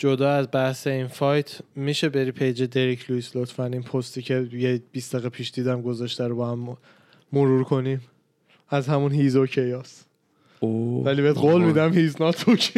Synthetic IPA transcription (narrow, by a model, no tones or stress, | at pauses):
d͡ʒo̞d̪ɒːæzbæhse̞infɒjt̪ʰmiʃe̞beɾiːpʰe̞jd͡ʒed̪e̞ɾicʰluislot̪ʰfæninpʰost̪ʰiːcʰejeb̥isd̪̥æɣepʰiːʃd̪̥iːd̪æmɡo̞zɒʃt̪æɾobɒhæm | moɾuːɾkʰo̞nim | æzhæmunhizocʰejɒːs | ovæliːbed̪ɢɡolmid̪æmhiznɒt̪ʰucʰ